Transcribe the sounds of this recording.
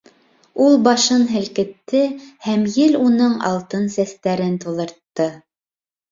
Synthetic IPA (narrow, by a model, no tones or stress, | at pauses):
ulˠbɑʃɤnɦɘ̆lkɘ̆t̪ːɘhæmjɘlunɤɴɑ̰lˠt̪ɤnsæst̪æɾɘnt̪ŭðˠɤ̆ɾt̪ːɤ